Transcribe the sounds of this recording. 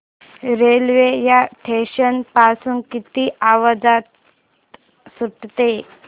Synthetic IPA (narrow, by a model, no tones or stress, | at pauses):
ɾelʋejaʈʰeɕənpasuːnkit̪iːʔaʋəd͡zat̪ | suʈt̪e